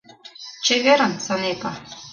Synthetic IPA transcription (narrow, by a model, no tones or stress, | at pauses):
t͡ɕeβʲeɾə̆nsɤnekɑ